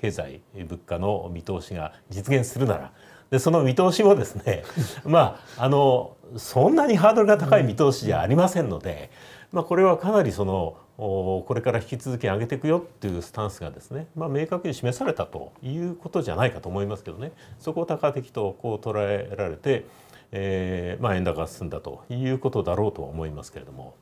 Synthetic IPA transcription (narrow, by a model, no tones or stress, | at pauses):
ke̞ːza̰ḭbɯ̟kːano̞mʲit̪o̞ːɕiɡa̰ | d͡ʑit͡sɨɡẽ̞ɰ̃sɨɾɯ̟na̰ɾa̰ | d̪̥e̞so̞nomʲit̪o̞ːɕimo̞d̪e̞sɨne̞maːno̞sõ̞nːaɲ̟iɦaːd̪o̞ɾɯɡat̪akaimʲit̪o̞ːɕidea̰ːɾʲimasẽ̞nːo̞̰d̪e̞̰mako̞ɾe̞β̞akanaɾʲiso̞no̞ | ko̞ɾe̞kaɾaçi̥kʲit͡sɨzɨkʲeaɡe̞t̪e̞kɯ̟jo̞t̪ːejɯːsɨ̥t̪ãɰ̃sɨɡa̰d̪e̞sɨne̞mame̞ːkakɯ̟ɲ̟iɕime̞saɾe̞t̪at̪o̞̰jɯ̟ːko̞t̪o̞ʑa̰naikat̪oːmo̞imasɨ̥ke̞d̪o̞ne̞so̞ko̞t̪akat̪e̞kʲi̥t̪o̞ko̞ːt̪o̞ɾae̞ɾaɾe̞t̪e̞ | maẽ̞nd̪akasɨ̃nd̪at̪o̞̰jɯ̟ːko̞t̪o̞d̪aɾo̞ːt̪o̞βa̰omo̞imasɨ̥ke̞ɾe̞d̪o̞mo̞̰